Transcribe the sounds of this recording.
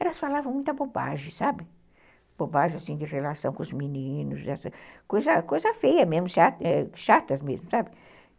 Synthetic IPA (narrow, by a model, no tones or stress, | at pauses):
ɛlɐsfalavɐ̃mũt̪ɐboba̰ʒẽsabɪ | b̥obaʒẽasĩd͡ʒɪʁelasɐ̃w̃kõʊzminĩnʊzɛsɐkojzɐkojzɐfejɐmezmʊʃaɛʃat̪ɐsmezmʊsabɪ